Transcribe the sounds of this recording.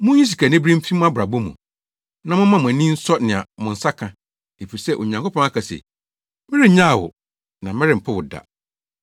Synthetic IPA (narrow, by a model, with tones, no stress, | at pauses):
mʊ̃˦ɲĩ˦s̬i˨kʰa˨nɪ̃˦bɾĩ˦m̩˦fi˦mũ˦a˦bɾa˨bo˦mṵ̃˨ | nã˦mʊ̃˦mã˦mʊ̃˨æ˨nĩ˦n̩˦sɔ˦nɪ̃˨a̰˨mʊ̃˨n̩˨sa˦kʰã˨ | e˨fi˨i˨sɛ˦ʔo̰˨ɲã˨ŋko˦pɔ̃˦ŋa˦kʰa˨sɛ̰˨ | mɪ˦ɾɪ˦ɲã˦˨wʊ̰˨ | nã˨mɪ̃˦ɾɪ˨m̩˨pʰa˦wʊ˨da̰˨